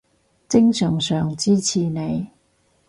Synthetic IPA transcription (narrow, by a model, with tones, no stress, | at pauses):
t͡sɪ˥ŋsœː˨˩ŋsœː˨˩ŋt͡siː˥t͡sʰiː˨ne˨˧j